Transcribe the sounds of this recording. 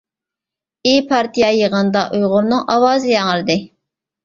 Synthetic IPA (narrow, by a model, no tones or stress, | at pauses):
ipʰɑɾt̪ijɑjəʁənd̪ɑʔujʁʊɾnɨŋʔɑwɑːzɨjɑŋəɾɨd̪ɪ